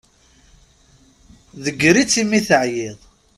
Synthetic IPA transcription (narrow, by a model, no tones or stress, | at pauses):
ðəɡːɾit͡sːimːiθəʕjɪðˤ